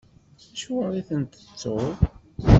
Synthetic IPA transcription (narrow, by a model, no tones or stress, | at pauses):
æʃuɾˤiθənt̪ə̥t͡sːoɾˤ